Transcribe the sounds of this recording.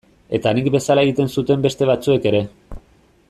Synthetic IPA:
e̞t̪anikbe̞salaeɣit̪e̞nsut̪e̞mbe̞st̪e̞β̞at͡sue̞ke̞ɾe̞

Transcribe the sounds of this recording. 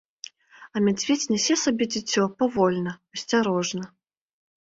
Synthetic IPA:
ɐmʲad͡zʲvʲet͡sʲnʲɛsʲɛsabʲɛd͡zʲit͡sʲːɔpavɔlʲnɐɐsʲt͡sʲaɾɔʐnɐ

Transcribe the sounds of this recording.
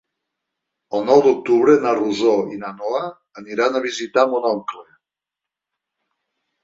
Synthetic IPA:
əlˠnɔwd̪uk̚t̪uβɾenaruzoinanoaː | niɾanaβizit̪amunɔŋkle

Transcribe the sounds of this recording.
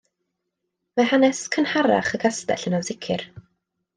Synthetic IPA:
mahanɛskʰənhaɾa̰χəɡʰastɛ̰ɬənavðɪkʰɪr

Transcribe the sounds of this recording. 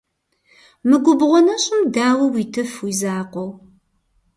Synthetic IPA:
mɨɡʷʊbʁʷɔnɐɕʼɪmdaːwɐwiːtʰɨfwizaːqʷɔw

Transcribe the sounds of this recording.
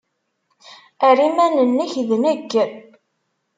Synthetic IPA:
æɾimænənːəçðnəɡː

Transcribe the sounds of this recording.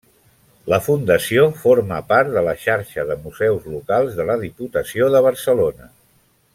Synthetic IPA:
ləfund̪əsiofoɾməpaɾt̪ðələʃaɾʃəðəmuzɛwzlukalˠzðələðiput̪əsioðəβ̞əɾsəlonə

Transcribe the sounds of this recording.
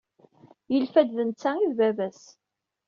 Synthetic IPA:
jəlfæd̪ðənt͡sːæiðvævæs

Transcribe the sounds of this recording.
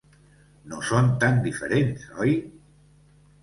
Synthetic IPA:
nosont̪and̪ifeɾensɔj

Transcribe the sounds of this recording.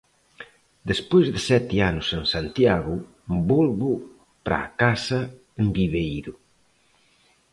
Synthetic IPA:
d̪espojzðɪsɛt̪ianʊseŋsant̪jaɣʊ | bulβʊ | pɾʔa̰ːkasɐ | embiβejɾʊ

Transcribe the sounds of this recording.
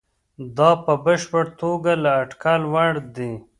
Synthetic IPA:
d̪ɑpəbəʃpəɽt̪oɡalaːʈkalwaɽd̪i

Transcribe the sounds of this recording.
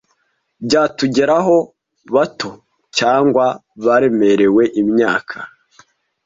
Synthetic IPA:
bɟaːtuɟe̞ɾaɦo̞ | βatʰo̞ | caːŋɡwaβaɾe̞me̞ɾe̞we̞ʔimɲaːkʰa

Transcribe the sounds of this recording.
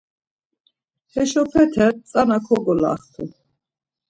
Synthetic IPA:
hɛʃɔpʰɛt̪ʰɛt͡sʼanakʰɔɡɔla̰χt̪ʰṵ

